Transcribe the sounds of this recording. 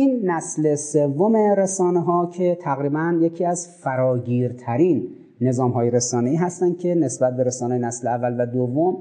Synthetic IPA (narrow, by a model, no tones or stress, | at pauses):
ʔinːæslese̞vːome̞ɾesɒːneɦɒːcʰe̞t̪ʰæɣɾiːbænjecʰiːæzfæɾɒːɟiːɾt̪ʰæɾiːnː | e̞zɒːmɦɒːjeɾesɒːneiːɦæst̪ænd̪̥̚cʰe̞nesbæt̪̚be̞ɾesɒːnejenæsleævːælvæd̪ovːom